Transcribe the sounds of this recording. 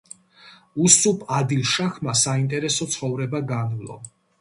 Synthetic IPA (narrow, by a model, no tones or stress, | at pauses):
usupʰʼad̪ilˠʃaχʰmasaint̪ʼɛɾɛsɔt̪sʰχɔvɾɛbaɡanvlˠɔ̰